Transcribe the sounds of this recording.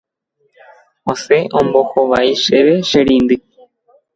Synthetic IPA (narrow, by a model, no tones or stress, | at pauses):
oseʔõmboxoʋaiʂeʋeʃeɾind̪ɨ